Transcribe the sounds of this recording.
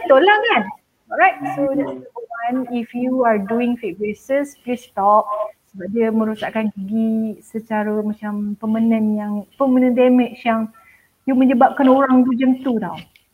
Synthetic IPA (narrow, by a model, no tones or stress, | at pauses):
t̪olakan | ɔɹajt̚sodasəəwanifjuaɹduɪ̃ŋfik̚besəsplist̪ɔp̚səbap̚diəmə̃ɾusaʔkankəɡisət͡ʃaɾəmat͡ʃampəmənə̃njaŋpəmə̃nə̃ndɛmɛt͡ʃjaŋ | jumə̃ɲd͡ʒəbap̚kanoɾaŋd̪ud͡ʒənt̪ut̪a̰w